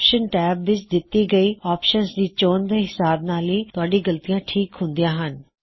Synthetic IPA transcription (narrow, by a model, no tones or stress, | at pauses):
pʃənʈɛːbʋɪt͡ʃd̪ɪt̪ːiːɡəiːɔːpʃənsd̪iːt͡ʃoːnd̪eːɦɪsaːb̚naːliːt̪ʊaːɖiːɡəlt̪ijãːʈʰiːkɦʊ̃nd̪ijãːɦən